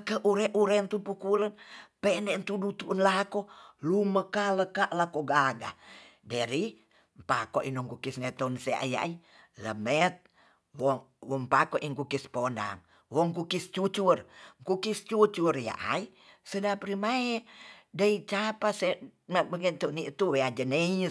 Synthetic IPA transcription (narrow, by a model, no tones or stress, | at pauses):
kəʔuɾɛʔuɾɛnt̪upukulənpɛnɛnt̪udut̪uʔnlakoluməkaləkaʔlakoɡaɡa̰dəɾi | mpakɔʔinɔŋkukisŋet̪ɔnsɛʔa̰ja̰i | lə̰mɛt̪̚ | wɔ | wɔmpakɔʔiŋkukisponda̰ŋ | wɔŋkukist͡ʃut͡ʃurŋkukist͡ʃut͡ʃurja̰ʔa̰i | sədapɾimaɛdait͡ʃapasembəŋənt̪uniʔt̪uwead͡ʒəneɲ